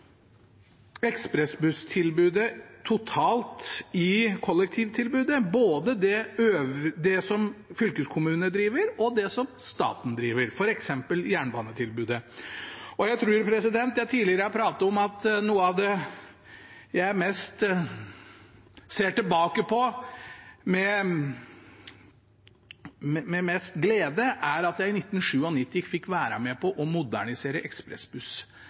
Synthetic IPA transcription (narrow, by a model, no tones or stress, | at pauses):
ɛkspɾɛsbʉst̪ʰɪlbʉːd̪ət̪ʰʊt̪ʰɑːlt̪ɪkʰɔlːɛk̚t̪ʰiːʋt̪ʰɪlbʉːd̪əboːd̪əd̪ɛøːʋəd̪ɛsɔmfʏlkəskʰʊmʉːnəd̪ɾiːʋəɾɔd̪ɛsɔmst̪ɑ̰ːt̪n̩d̪ɾiːʋəɾfɔɾɛksɛmpəljæːɳbɑːnət̪ʰɪlbʉːd̪ə | ɔjæɪt̪ʰɾʉːɾpʰɾɛsɪd̪ɛnt̪jæʈ̪ʰiːlɪəɾəɑpʰɾɑːt̪əɔmɑt̪nuːəɑʋd̪ɛ | jæɪmɛst̪ | seːʈɪlbɑːkəpʰɔ | mɛ | mɛmɛmɛst̪ɡleːd̪əʔæɾɑt̪jæɪɪnɪt̪ːn̩ʂʉːɔnɪt̪ːɪfɪkːʋæːɾɑ̰mɛpʰɔʔɔmʊd̪æ̰ɳɪseːɾəʔɛkspɾɛ̰sbʉs